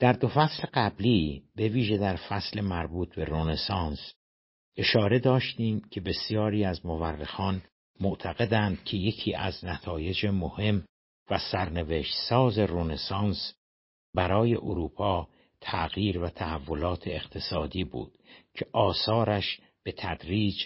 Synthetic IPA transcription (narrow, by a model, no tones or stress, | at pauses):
d̪̥æɾd̪o̞fæsleɢæbliːbe̞viːʒe̞d̪æɾfæsle̞mæɾbuːt̪ʰbe̞ɾonesɑːns | ʔe̞ʃɒːɾe̞d̪ɒːʃt̪iːmcʰe̞be̞sjɒːɾiːæzmoværːexɒːn | moʔt̪ʰæɣe̞d̪ænd̪̥̚cʰe̞je̞cʰiːʔæ̰znæt̪ʰɒːje̞d͡ʒemohe̞m | væsæɾne̞veʃt̪sɒːze̞ronesɑːns | bæɾɒːje̞̰ʔoɾuːpʰɒː | t̪ʰæɣjiːɾvæt̪ʰæhævːo̞lɒːt̪ʰeːqt̪ʰe̞sɒːd̪iːbṵːd̪̥cʰe̞ʔɒːsɒːɾæʃ | b̥e̞t̪ʰæd̪̥ɾiːd͡ʒ